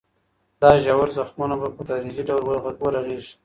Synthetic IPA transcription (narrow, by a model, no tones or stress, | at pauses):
d̪̥ɑʒawaɾzaxmunabapət̪ɑdiziɖawlwaɣaɡwəɾaɣeʒ